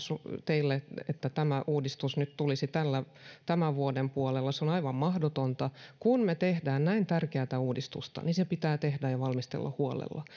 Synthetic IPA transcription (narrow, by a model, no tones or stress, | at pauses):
sut̪eilːeet̪ːæt̪æmæʔuːdist̪usnyt̪t̪ulisit̪ælːæ | t̪æmæʋuodempuolelːɑseonɑiʋɑmmɑhdot̪ont̪ɑkunmet̪ehdæːnnæint̪ærkeæt̪æuːdist̪ṵst̪ɑ̰ninsepit̪æːt̪ehdæjjɑʋɑlmist̪ḛlːɑ̰huolḛlːɑ̰